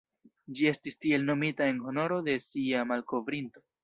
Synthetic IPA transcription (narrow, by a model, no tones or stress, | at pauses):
d͡ʒie̞stistie̞lno̞mitae̞nɦo̞no̞ɾo̞de̞siamalko̞vɾinto̞